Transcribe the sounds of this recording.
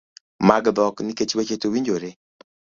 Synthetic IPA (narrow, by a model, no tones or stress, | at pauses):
maɡd̪ɔknɪket͡ʃbet͡ʃetowiɲd͡ʒoɾe